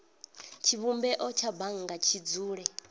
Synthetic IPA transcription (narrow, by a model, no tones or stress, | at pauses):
t͡ʃʰiβumbɛʔɔt͡ʃʰabaŋ̩ŋɡat͡ʃʰid͡zuːɺɛ